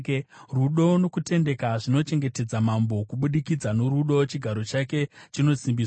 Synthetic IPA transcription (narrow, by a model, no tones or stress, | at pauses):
ruɗo̞no̞kute̞nde̞kaʐino̞t͡ʃe̞ŋɡe̞te̞d͡zamambo̞kuɓuɗikid͡zanoɾuɗo̞t͡ʃiɡʱaɾo̞t͡ʃake̞t͡ʃino̞simbiːs